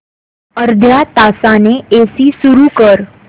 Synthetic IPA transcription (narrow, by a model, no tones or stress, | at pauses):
əɾd̪ʱjat̪asaneesiːsuɾukəɾ